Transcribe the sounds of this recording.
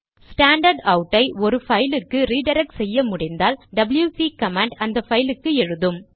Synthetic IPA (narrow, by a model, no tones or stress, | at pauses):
sʈaːɳɖɐɾɖɐʊʈːɐɪɔɾɯfɐjlɯkːɯɾiːɖɐɾɐk̚ʈsɛjːɐmʊɽɪnd̪aːlɖɐbɪljuːsiːkɐmaːɳɖɐnd̪ɐfɐjlɯkːɯɛɻɯðɯm